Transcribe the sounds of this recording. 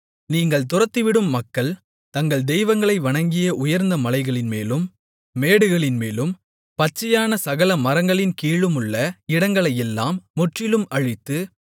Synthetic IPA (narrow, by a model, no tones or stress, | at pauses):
niːŋɡɐɭt̪ʊrɐt̪ːiʋɪɽɯmːɐkːɐɭ | t̪ɐŋɡɐɭd̪ɛjʋɐŋɡɐɭɐɪʋɐɳɐŋɡɪjɐʔʊjɐɾnd̪ɐmɐlɐɪɣɐɭɪnmeːlɯmː | eːɽɯɣɐɭɪnmeːlɯm | pɐt͡ʃːɐjaːnɐsɐɣɐlɐmɐɾɐŋɡɐɭɪnkiːɭɯmɯɭːɐɪɽɐŋɡɐɭɐjɛlːaːmːʊʈrɪlɯmɐɻɪt̪ːɯ